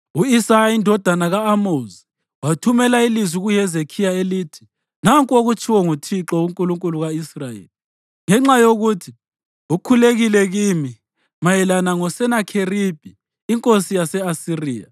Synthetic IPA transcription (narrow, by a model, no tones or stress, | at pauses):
uisajaindʱɔd̥ʱanaɣaːmozi | watʰumɛlailizwiɣuhɛzekʰijaelitʰi̥ | naŋkʼoɣut͡ʃʰʼiwɔŋutʰiǁɔwuŋkʼuluŋkʼuluɣaisrajḛːli | ŋɛŋ͡ǁajoɣutʰi | ukʰuleɣilɛɣimi | majɛlanaŋɔsɛnakʰerib̥ʱiː | ŋkʼosijasɛasiriːja̰